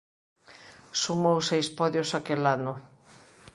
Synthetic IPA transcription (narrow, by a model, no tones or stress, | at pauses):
sumowsejspɔðjosakelanʊ